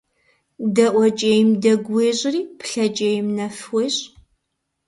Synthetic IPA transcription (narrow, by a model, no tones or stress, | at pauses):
dɐʔʷɔt͡ʃʼejmdɐɡʷweːɕʼɪriːpɬɐt͡ʃʼejmnɐfweːɕ